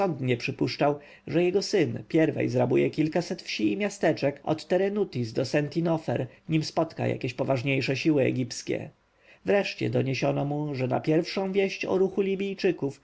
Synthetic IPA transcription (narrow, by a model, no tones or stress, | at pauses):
ɔnd̪ɲɛpʂɘpuʂt͡ʂaw | ʐɛjɛɡɔsɘnpʲjɛɾvɛ̰jzɾabujɛkʲilkasɛt̪fɕiːmʲjast̪ɛt͡ʂɛkɔ̰t̪ːɛɾɛnut̪izd̪ɔsɛnt̪inɔfɛ̰ɾɲimspɔt̪ka̰ja̰kʲeɕpɔvaʐɲejʂɛɕiwɘɛ̰ɡʲipskʲɛ̰ | vɾɛʂt͡ɕɛ̰d̪ɔɲeɕɔnɔmuʐɛna̰pʲjɛɾfʂɔ̃w̃vʲjɛɕt͡ɕɔ̰ɾuxulʲibʲijt͡ʂɘkuf